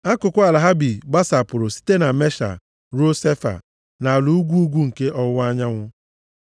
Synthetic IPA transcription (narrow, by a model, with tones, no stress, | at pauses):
a˦kʊ˨kʷʊ˦a˨la˨ɦa˦bi˨ɡ͡ba˦sa˨pʊ˨ɾʊ˨si̥˦te˦na˨me˦ʃa̰˨ | ɾu˦o˦se˦fa̰˨ | na˨lu˨u˦ɡʷu˦u˦ɡʷu˦ŋ̩˨ke˦ʔɔ˦wʊ˦a˦ɲa˦ŋʷʊ˦